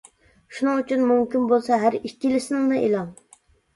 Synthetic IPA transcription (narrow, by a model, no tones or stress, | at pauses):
ʃunɨŋyt͡ʃʰynmumkʲinbolˠsɑɦæɾikʲːilɪsɪnɪŋnɨʔelˠɑŋ